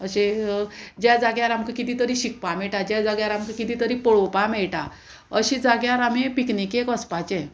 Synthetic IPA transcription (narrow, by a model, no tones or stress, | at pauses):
əɕe | d͡ʑad͡zaɡjaɾamkikit̪iːt̪əɾiɕik̚pamɛɭʈad͡ʑad͡zaɡjaɾamkikit̪iːt̪əɾipɔɭopamɛɭʈa | əɕid͡zaɡjaɾam̤ipiknikekəspat͡ɕẽ